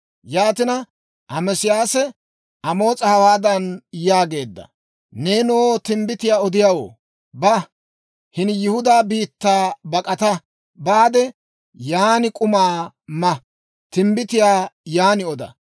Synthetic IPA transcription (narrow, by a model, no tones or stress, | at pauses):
jaːt̪ɪnɐ | ʔɐmɛsɪjaːsɛ | ɐmo̞ːt͡sʼɐhɐwaːd̪ɐnjaːɡe̞ːd̪ːɐ̰ | ne̞ːnoːt̪ɪmbɪt̪ɪjaːɔd̪ɪjaːwo̰ː | bɐ | hɪnjʊhʊd̪aːbiːt̪ːaːbɐkʼɐt̪ɐ | baːd̪ɛ | jaːnɪkʼʊmaː | mɐ | t̪ɪmbɪt̪ɪjaːjaːnɪɔd̪ɐ̰